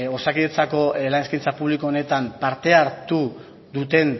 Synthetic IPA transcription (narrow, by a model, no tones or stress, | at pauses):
o̞sakiðet͡sako̞elaneskint͡sapuβlikoone̞t̪ampaɾt̪e̞aɾt̪u | ðut̪e̞n